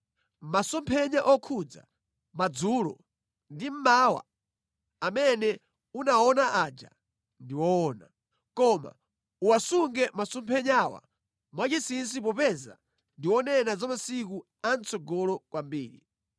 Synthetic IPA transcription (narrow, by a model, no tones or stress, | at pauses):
masɔmpʰɛɲaʔɔkʰud͡za̰ | mad͡zuːlɔ̰ | ndim̩maːwa̰ | amɛnɛ | unaɔnaʔaːd͡ʒa̰ | ndiwɔːna | kɔma̰ | uwasuŋɡɛmasɔmpʰɛɲawa̰ | mwat͡ʃisins̬ip̬ɔpɛza̰ | ndiwɔnɛnazamasiku | ant͡sɔɡɔlɔkwambiːɾi